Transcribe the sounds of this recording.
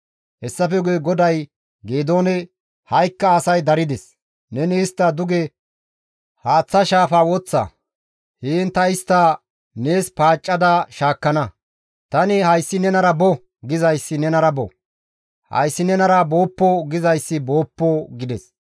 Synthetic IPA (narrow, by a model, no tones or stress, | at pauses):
hɛsːɐfɛɡujɡɔd̪ɐj | ɡeːd̪o̞ːnɛ | hɐjkːɐːsɐjd̪ɐɾɪd̪ɛs | nɛnɪːst̪ːɐd̪ʊɡɛ | haːt͡sːɐʃaːfaːwɔt͡sːa̰ | heːnt̪ɐɪst̪ːa | neːspaːt͡ʃʼːɐd̪ɐʃaːkːɐnɐ | t̪ɐnɪhɐjsːɪnɛnɐɾɐbɔ | ɡɪzɐjsːɪnɛnɐɾɐbɔ̰ | hɐ̰jsːɪnɛnɐɾɐbo̞ːpːɔɡɪzɐjsːɪbo̞ːpːɔɡɪd̪ɛs